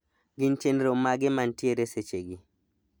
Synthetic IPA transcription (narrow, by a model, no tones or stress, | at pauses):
ɡɪnt͡ʃenɾomːaɡɪmantjeɾeset͡ʃeɡi